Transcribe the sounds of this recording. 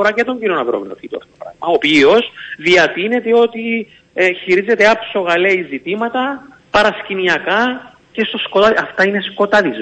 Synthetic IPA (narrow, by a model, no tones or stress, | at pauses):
oɾɐcet̪o̞ɲɟinonɐvɾomeno̰t̪it̪uɐ̰ft̪ot̪opɾɐ̰ɣmɐopiosðiɐt̪ine̞t̪eo̞t̪i | çiɾize̞t̪eɐpso̞ɣɐleizit̪imɐt̪ɐ | pɐɾɐsciniɐkɐ | ce̞st̪o̞skot̪ɐɐft̪ɐine̞sko̞t̪ɐðiz